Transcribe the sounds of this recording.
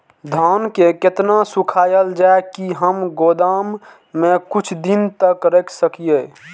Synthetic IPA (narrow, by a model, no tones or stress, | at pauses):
d̪ʱaːnkeket̪nasukʰaːjəld͡ʒaekiɦəmɡod̪amː | ẽkut͡ʃʰd̪int̪əkɾekʰsəkije